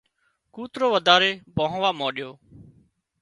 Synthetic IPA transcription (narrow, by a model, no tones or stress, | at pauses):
kuːt̪ɾoːʋəd̪ʱaːɾeːbõːɦʋaːmoːɗɪjoː